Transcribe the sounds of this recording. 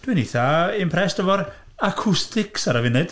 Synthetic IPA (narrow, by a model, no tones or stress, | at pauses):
d̥winiθaɪmpʰrɛsd̥əvɔɾ | akʰʊstʰɪksaɾavɪnɨd̥